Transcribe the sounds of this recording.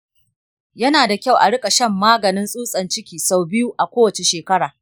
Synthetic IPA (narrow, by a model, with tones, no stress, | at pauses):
jɐ˦naː˨da˨kʲa˦˨wʔa̰˨ɽɪ˦kʼa˨ʃɐ˦˨mːaː˦ɡɐ˨nɪ˦nsʼuː˦sʼɐ˨nt͡ʃɪ˦kʲiː˨sa˨wbɪ˦ju˦ʔa˨kʷoː˦wɐ˨t͡ʃe˨ʃeː˨kɐ˦ɽaː˨